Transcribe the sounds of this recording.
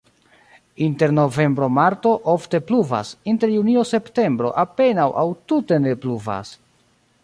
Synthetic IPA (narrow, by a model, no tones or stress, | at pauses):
inte̞ɾno̞ve̞mbɾo̞maɾto̞ʔofte̞pluva̰sinte̞ɾjunio̞se̞pte̞mbɾo̞̰ʔape̞nawʔawtute̞ne̞pluva̰s